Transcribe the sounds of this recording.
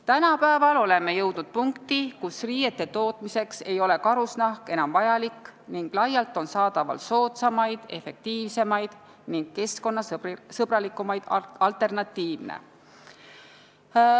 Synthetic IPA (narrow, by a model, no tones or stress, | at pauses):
t̪ænɑpæevɑlo̞le̞me̞jɤ̞wd̪̥nud̪̥̚puŋkt̪ikusriːje̞t̪ːe̞t̪o̞ːt̪ˑmise̞kse̞jo̞le̞kɑɾusnɑhke̞nɑmvɑjɑlikːˑniŋɡ̥lɑjɑlt̪ˑo̞nsɑːd̪̥ɑvɑ̰lso̞ːt̪sɑmɑjd̪̥e̞fe̞k̚t̪iːvse̞mɑjd̪̥ | niŋɡ̥̚ke̞sko̞nːɑsɤbrɑlikːˑumɑjd̪̥ɑlt̪ˑe̞rnɑt̪ˑːiːvnḛ